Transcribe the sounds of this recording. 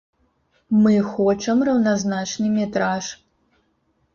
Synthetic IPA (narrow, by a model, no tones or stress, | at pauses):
mɨxɔt͡ʂɐmrɐwnaznat͡ʂnɨmʲɛt̪ɾaʂ